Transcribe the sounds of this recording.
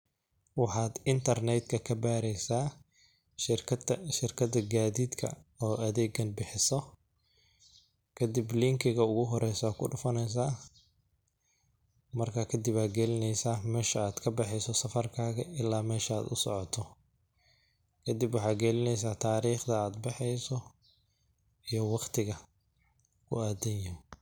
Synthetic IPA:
wɑħɑːd̪ɪnt̪ʰɐrnɛd̪kʰɐkʰɐbaːɾɛjsaː | ʃɪɐʃɪrkʰɐðɐɡaːðiːd̪kʰɐ̰ɔːʔɐðɛːɡɐnbɪħɪsɔ | kʰɐd̪ɪblɪŋkʰɪɣɐʊɣʊɦɔɾɛjsaːkʰʊɖʊfɐnɛjs̬aː | mɐrkʰakʰɐd̪ɪbaːɡɛlɪnɛjsaːmɛːʃɐaːd̪̥kʰɐbɛħɛjsɔsɐfɐrkʰaːɣɐʔɪlːaːmɛːʃɐa̰ːd̪ʊsɔ̰ʕɔt̪ʰɔ | kʰɐd̪ɪbwɑħɑːɡɛlɪnɛjsaːt̪ʰaːɾiːχd̪ɐaːd̪bɪħɛjsɔ | ijɔwɑqt̪ʰɪɣɐ | kʰʊ̰aːd̪ɐnjɐ

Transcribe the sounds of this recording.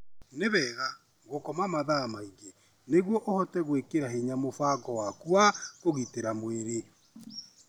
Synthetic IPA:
neβɛːɣa | ɣokɔmamaðamaiɡe | neɣwɔʔohɔtɛɣwekeɾaɦeɲamofaɡɔwakuakoɣiteɾamweɾe

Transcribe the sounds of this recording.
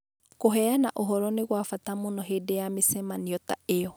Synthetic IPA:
koɦɛanaʔoɦɔɾɔneɣwafatamonɔɦeːdejamesɛmaniɔtaeɔ

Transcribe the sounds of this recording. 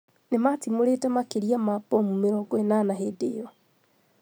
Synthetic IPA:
nematimoɾetɛmakeɾiamapɔmumeɾɔɡɔenanaɦedejɔ

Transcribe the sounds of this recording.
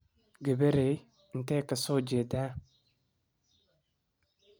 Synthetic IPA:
ɡebeɾe | n̩tɛkasod͡ʒeda

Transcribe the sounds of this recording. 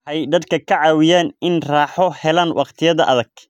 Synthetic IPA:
ħɛjd̪ɐd̪kʰɐkʰɐʕɑːwɪjaːnɪnraːħɔhɛlanwʔɑ̰qt̪ʰɪjɐðɐʔɐðɐɡ̥

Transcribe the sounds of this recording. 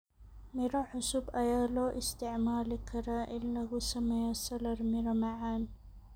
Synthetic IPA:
mɪɾaħʊsubʔajaːloʔɪst̪ɪʕmaːlɪkʰːaɾaːʔɪlːaɡusamːajasɑlɑɾˤmɪɾamaʕaːn

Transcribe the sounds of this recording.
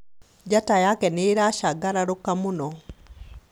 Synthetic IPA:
d͡ʒatajakɛneɾaʃaɡaɾaɾokamunɔ

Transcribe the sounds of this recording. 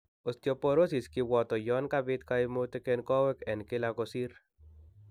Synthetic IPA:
ost̪jɔpoɾosiskiwɔt̪ɔjɔnkabɪt̪̚kaimot̪ekenkɔwɛkɛnkɪlakosiɾ

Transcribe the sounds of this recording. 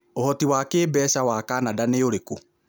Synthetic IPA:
ohɔtiwaːkeːbɛːʃawakaːnadaneoɾeko

